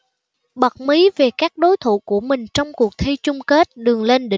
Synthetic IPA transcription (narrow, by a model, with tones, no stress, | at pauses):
ɓə˨˩t̚mi˨˦ve˨˩kaː˦˥k̚ɗo˨˦jt̪ʰṵ˧˩ku˧˩əmï˨˩ŋ̟t͡ɕɔ˧wŋ͡mku˨˩ək̚t̪ʰi˧t͡ɕʊ˧ŋ͡mke˦˥t̚ɗɨ˨˩əŋle˧nɗï˧